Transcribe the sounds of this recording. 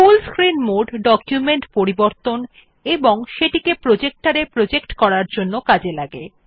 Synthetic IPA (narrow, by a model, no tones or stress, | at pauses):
fulskɾinmoɖɖɔkjumeɳʈpoɾiboɾt̪on | eboŋʃeʈikepɾod͡ʑek̚ʈaɾepɾod͡ʑekʈkɔɾaɾd͡ʑonːokad͡ʑelaɡe